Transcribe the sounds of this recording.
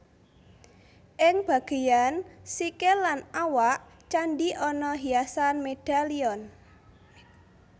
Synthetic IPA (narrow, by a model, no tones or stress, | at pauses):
ʔɪŋb̥a̤ɡ̥e̤jansikelanawaʔ | t͡ʃanɖiʔɔnɔɦiasanmed̥aliɔn